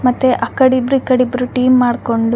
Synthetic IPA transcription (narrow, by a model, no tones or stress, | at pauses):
mɐt̪ːeʔɐkːɐɽibɾuikːɐɽibɾuʈiːmːaːɽko̞ɳɖu